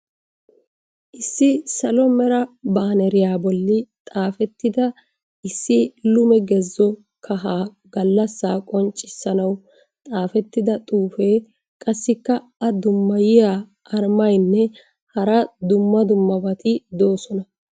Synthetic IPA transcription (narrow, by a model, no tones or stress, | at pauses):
ʔɪsːɪsɐlɔmɛɾɐbaːnɛɾɪjaːbɔlːɪt̪ʼaːfɛt̪ːɪd̪ɐ | ʔɪsːɪlʊmɛɡɛzːɔ | kʰɐɦaː | ɡɐlːɐsːaːkʼɔnt͡ʃʼɪsːɐnɐw | t̪ʼaːfɛt̪ːɪd̪ɐt̪ʼuːfeː | kʼɐsːɪkːɐ | ɐd̪ʊmːɐjɪjaː | ɐɾmɐjnːɛ | hɐɾɐd̪ʊmːɐd̪ʊmːɐbɐt̪ɪd̪oːsɔnɐ